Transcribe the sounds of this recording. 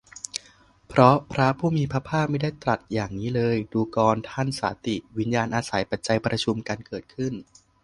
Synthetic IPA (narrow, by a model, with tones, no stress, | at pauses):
pʰɾɔ˦˥pʰɾa˦˥pʰuː˥˩miː˧pʰɾa˦˥pʰaː˥˩p̚ma˥˩jdaː˥˩jt̪ɾa˨˩t̪̚jaː˨˩ŋniː˦˥lɤː˧jduː˧kɔː˧nt̪ʰa˥˩nsa̰ː˩˦t̪i˨˩wi˦˥njaː˧nʔaː˧sa˩˦jpa˨˩t̪̚t͡ɕa˧jpɾa˧t͡ɕʰu˧mkaː˧nkɤː˨˩t̪̚kʰɯ˥˩n